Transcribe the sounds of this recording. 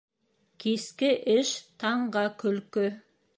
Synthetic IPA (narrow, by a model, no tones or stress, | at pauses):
kʲʰeskʲɪʔɪʃt̪ʰɑɴɢɑkʲʰʏlkʲʏ